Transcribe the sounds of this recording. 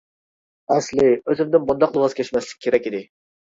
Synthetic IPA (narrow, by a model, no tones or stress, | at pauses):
ɛslɪøzɪmd̪ɪnbund̪ɑqlˠɨwɑz̥kʲʰɛʃmɛslɪ̥kʲːkʰeɾɛkʲid̪ɪ